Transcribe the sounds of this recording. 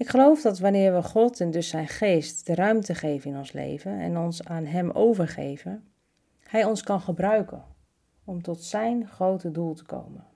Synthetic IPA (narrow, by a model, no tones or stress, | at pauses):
ɪkχəlowfdɔtʋanɪːɹʋəχɔtʰɛndɵsɛjnχeːstd̥ərœɥmtəχejvənɪnɔnslḛjvənɛ̰nɔnsaːnɦɛmo̰wvəɹχḛjvən | hɛjɔnskɑnχəbrœɥkə | ɔmtɔtsɛjnχrowtədulˠtə̥kʰo̰wmən